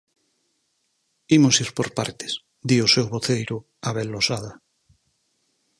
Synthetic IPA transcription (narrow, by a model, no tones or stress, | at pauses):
imosiɾpoɾpa̰ɾt̪e̥s | d̪iosewβoθejɾʊ | aβelːosaða